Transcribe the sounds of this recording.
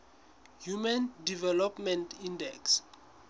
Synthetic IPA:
jumãndivɛlɔpmɛ̃ntʰĩndɛks

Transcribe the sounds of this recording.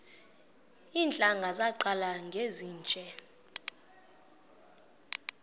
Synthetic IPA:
iːnd͡ɮʱʼaŋɡʱazaǃalaŋɡʱeziːnt͡ʃʼɛ

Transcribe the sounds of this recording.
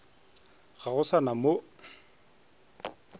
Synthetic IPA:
ɣaɣʊsanamo

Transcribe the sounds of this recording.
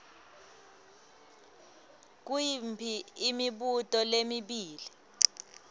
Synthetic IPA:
k̬wimpʰiimiɓutʼɔlemiɓiːli

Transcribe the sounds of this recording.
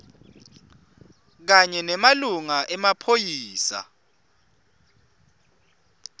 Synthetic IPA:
k̬aɲɛnɛmaluŋaʔɛmapʰojiːsa̰

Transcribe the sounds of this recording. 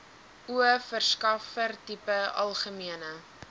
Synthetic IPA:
uəfərskɐfərtipəɐ̰lˠχəmiənə

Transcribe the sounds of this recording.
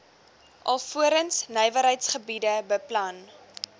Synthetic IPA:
ʔɐlˠfuəɾənsnəjvəɾɦəjtsχəbidəbəplɐn

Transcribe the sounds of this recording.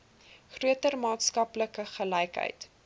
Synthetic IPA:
χruətərmɑːtskɐpləkəχəlɛjkɦə̰jt

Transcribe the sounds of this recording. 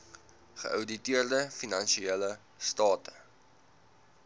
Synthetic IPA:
χə̰ʔœwditiərdəfinɐnʃieːlə | stɑːtə̥

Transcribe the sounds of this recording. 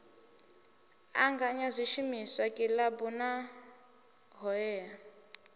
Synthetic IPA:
a̰ŋɡaɲazʷiʃimisakʼilabuna | ɦɔɛːja

